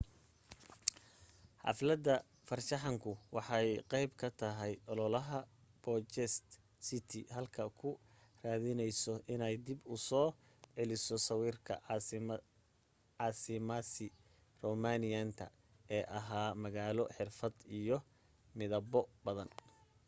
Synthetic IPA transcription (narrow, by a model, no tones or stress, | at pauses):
ħɑ̰flɐd̪ɐ | fɐrʃɑħɑŋkʰʊwɑħɑjqɛjbkʰɐt̪ʰɐɦɛjʔɔlɔlɐɦɐ | b̥ɔt͡ʃɛst̪ | sɪt̪ʰɪ̰ɦɐlkʰɐkʰʊraːðɪnɛjsɔʔɪnɛjd̪ɪbʊsɔː | ʕɛlɪsɔsɐwiːrkʰɐ̰ | ʕɑːsɪmasɪ | rɔmaːnɪjant̪ʰɐ̰ | ɛːʔɐɦaːmɐɣaːlɔħɪrfɐd̪ijɔ | mɪðɐbɔbɐðɐn